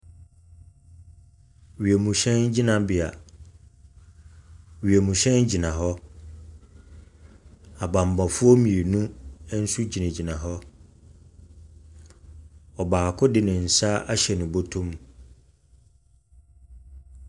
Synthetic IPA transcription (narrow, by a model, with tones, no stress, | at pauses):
ɥi˨e˨mũ˨ɕɛ̃˦nd͡ʑi˦nã˨bɪ˨a̰˨ | ɥi˨e˨mũ˨ɕɛ̃˦nd͡ʑi˨nã˨ɦɔ˦ | a˨bã˨m˨bã˨fʊ˦ɔ˦mĩ˨e˨nũ˦n̩˦su˦d͡ʑi˨nã˨d͡ʑi˨nã˨ɦɔ˦ | ɔ˨baː˨kʰʊ˦dɪ˨nɪ̃˨n̩˨sa˦ʔa˦ɕɛ˨nʊ̃˨bo˦tʰũ˦m